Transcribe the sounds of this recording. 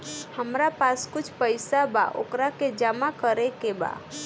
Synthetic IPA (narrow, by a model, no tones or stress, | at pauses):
həmɾapaskʊt͡ʃʰpəɪsaba̰ʔo̰kɾaked͡ʒamakəɾekeba̰